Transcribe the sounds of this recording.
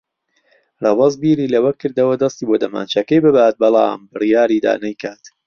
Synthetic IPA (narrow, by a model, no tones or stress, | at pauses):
rˤɑwɐzbiːɾiːlɐwɐkːɨɾd̪ɐwɐd̪ɐst̪iːbod̪ɐma̰ːnt͡ʃɐkɐjbɨbaːt̪̚bɑlˠɑ̰ːmbɨrijaːɾiːd̪a̰ːnɐjkʰaːt̪